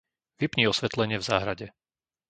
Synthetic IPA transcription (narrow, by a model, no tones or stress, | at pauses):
ʋipɲiːɔsʋɛt̪lɛɲɪɛvzaːɦɾaɟɛ